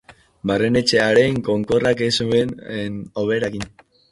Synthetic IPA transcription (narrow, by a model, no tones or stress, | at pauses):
barene̞t͡ʃe̞aɾe̞ŋko̞ŋko̞rakesueneno̞β̞eɾakin